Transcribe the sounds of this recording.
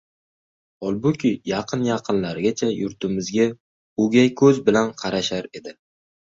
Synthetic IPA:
ɒlˠbʊkʲʰɪjɑqʰɨnjɑqʰɨnlaɾɡʲat͡ʃʰajʊɾt̪ʰɪmɪzɡʲa | ʊɡʲajkʰɵzbɪlanqʰɑɾaʃaɾe̞d̪ɪ

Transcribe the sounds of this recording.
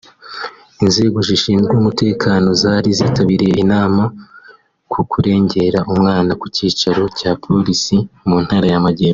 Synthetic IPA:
inze̞ːɡoʒiʃiːnɡumute̞ːkʰaːno̞zaːɾiziːtaβiɾije̞ʔinaːma | kʰukʰuɾe̞ːɲɟe̞ɾaʔumŋaːnakuciːt͡ʃaɾo̞caːpʰo̞ɾisimuːn̥haɾajamaɟeːɾo

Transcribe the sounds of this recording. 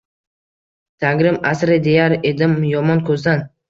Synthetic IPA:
t̪ʰaɡʲɾɪmasɾɪd̪e̞jaɾed̪ɪmjɒmɒnkʰɵzd̪an

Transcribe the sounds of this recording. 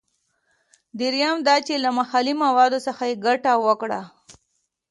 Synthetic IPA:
d̪iɾjɑmd̪ɑt͡ʃelamaxɑlimawɑd̪osəxajeɡaʈawəkɽa

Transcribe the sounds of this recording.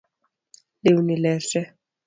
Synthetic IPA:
leunilɛːʂɛ

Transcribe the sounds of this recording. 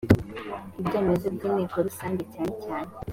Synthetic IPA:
ibɟeːmezibɡineːkoɾusaːɲɟecaːɲecaːɲe

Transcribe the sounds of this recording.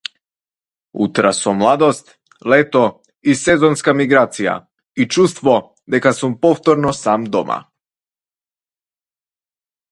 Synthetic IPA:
ṵt̪ɾasɔmlˠad̪ɔst̪ | lɛt̪ɔ | isɛzɔnskamiɡɾat̪sija̰ | it͡ʃust̪vɔ | d̪ɛkasumpɔft̪ɔɾnɔsamd̪ɔmʔa̰

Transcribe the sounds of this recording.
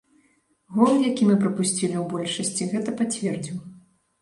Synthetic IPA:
ɣɔljakʲimɨpɾɐpusʲt͡sʲilʲiwbɔlʲʂɐsʲt͡sʲiɣɛt̪ɐpat͡sʲvʲɛrd͡zʲiw

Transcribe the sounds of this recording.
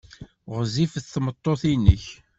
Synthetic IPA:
ʁzifəθθmət̪ˤːoθinːəç

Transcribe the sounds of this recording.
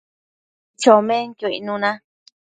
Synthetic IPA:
t͡ʃomẽnkoḭnũnã

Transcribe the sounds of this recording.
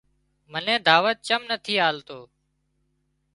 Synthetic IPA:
mənẽːd̪ʱaːʋət̪̚t͡ʃəmnət̪ʰiːaːlt̪oː

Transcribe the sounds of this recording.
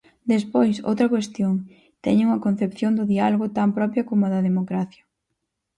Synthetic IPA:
d̪espojso̰wt̪ɾɐkwest̪joŋ | t̪ɛɲɪŋuŋɐkon̟θepθjond̪ʊðialoɣʊt̪ampɾɔpɾjɐkomʊɐðɐðemokɾaθjɐ

